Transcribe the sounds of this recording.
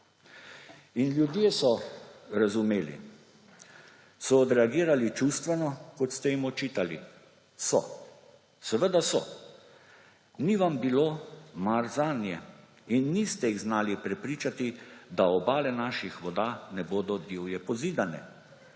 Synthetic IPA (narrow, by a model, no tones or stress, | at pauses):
inlʲjud̪jesɔɾazumeːlḭ | sɔːd̪ɾɛaɡiːɾalit͡ʃust̪ʋɛnɔkɔt̪st̪ɛimɔt͡ʃiːt̪alḭ | sɔ̰ | sɛʋəd̪asɔ̰ | niʋambiloːmaɾzaːnjɛ | inːist̪ɛjiɣznaːlipɾɛpɾiːt͡ʃat̪id̪aɔbaːlɛnaːʃixʋɔd̪anɛboːd̪ɔd̪iːwjɛpɔziːd̪anɛ̰